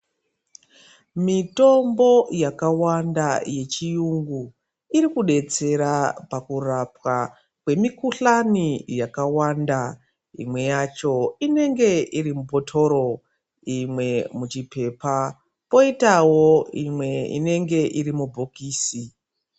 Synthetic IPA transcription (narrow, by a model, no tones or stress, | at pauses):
mito̞mbo̞jakawandaje̞t͡ʃijuŋɡu | iɾikuɗe̞t͡se̞ɾapakurapwa | kwe̞mikuɬanijakawanda | ḭmwe̞jat͡ʃo̞ine̞ŋɡe̞iɾimupo̞tʰo̞ɾo̞ | imwe̞mut͡ʃipe̞pa | po̞itawo̞imwe̞ḭne̞ŋɡe̞ʔiɾimubʱokiːsi